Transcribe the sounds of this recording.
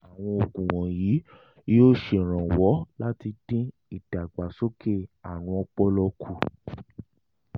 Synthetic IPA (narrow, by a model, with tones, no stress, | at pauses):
a˨w̃ɔ̃˧o˨ɡũ˨w̃ɔ̃˨ji˨˦ | oː˦ʃe˨ɾ̃ã˨wɔ˨˦la˦ti˧d̥ĩ˦ | i˦˨d̥a˨ɡ͡ba˨so˦ke˦˨a˨ɾ̃ũ˧˦ɔ˧k͡pɔ˦lɔ˧kʰu˦˨